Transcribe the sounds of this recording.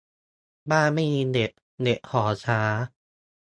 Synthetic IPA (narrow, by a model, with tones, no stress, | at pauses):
baː˥˩ma˥˩jmiː˧de˨˩t̚ | ne˨˩ʔ̚hɔː˩˦t͡ɕʰaː˦˥